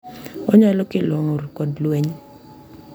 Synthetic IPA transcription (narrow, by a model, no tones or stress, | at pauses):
ɔɲalɔkɪloŋoɾkɔdlweɲ